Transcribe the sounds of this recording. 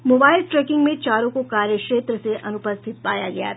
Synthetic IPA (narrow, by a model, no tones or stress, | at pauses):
moːbaːɪlʈɾɛːkɪ̃ŋɡmẽt͡ʃaːɾõkokaːɾjəkʃeːt̪ɾəseʔɐnʊpəst̪ʰɪt̪̚paːjaɡɐja̰